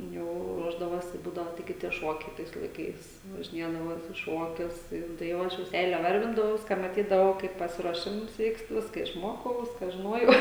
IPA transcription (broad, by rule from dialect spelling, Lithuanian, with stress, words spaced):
ˈjɛʊ ˈruɔʒdɐʋoːsʲɪ ˈbuːdɐʋoː tɐɪˈɡʲɪ tʲiɛ ˈʃuɔkʲɛɪ ˈtɐɪs lˠɐɪˈkɐɪs ʋɐʒʲɪˈnʲiɛdɐʋoː ˈjoːs ɪ ˈʃuɔkʲʊs ˈtɐɪ jɛʊ tɐɪ ˈjɛʊ ˈɐʃ jɛʊ ˈsʲɛɪlʲɛ ˈʋɐrʲʋʲɪndɐʋɐʊs kɐ mɐˈtʲiːdɐʋɐʊ ˈkɐɪp pɐsʲɪruɔˈʃʲɪms ˈʋʲiːkst ˈʋʲɪskɐ ɪʃˈmoːkɐʊ ˈʋʲɪskɐ ʒʲɪˈnoːjɛʊ